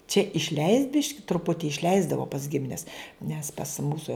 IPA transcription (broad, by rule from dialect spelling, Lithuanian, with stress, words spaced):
t͡ʃʲɛ ɪʃʲˈlʲɛɪsʲtʲ ˈbʲɪʃʲkʲɪ trʊˈpʊtʲɪ ɪʃʲˈlʲɛɪzdɐʋoː pɐs ˈɡʲɪmʲɪnʲɛs nʲɛs pɐs ˈmuːsoː